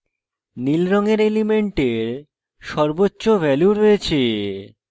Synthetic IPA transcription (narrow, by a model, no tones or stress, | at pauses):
nilɾɔŋeɾelimeɳʈeɾ | ʃɔɾbotːɕobʱɛljuɾojet͡ɕʰe